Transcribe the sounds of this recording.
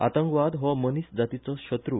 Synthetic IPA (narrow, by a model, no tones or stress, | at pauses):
a̰t̪əŋkʋad̪ɦɔmənisd͡zat̪it͡sɔɕət̪ɾu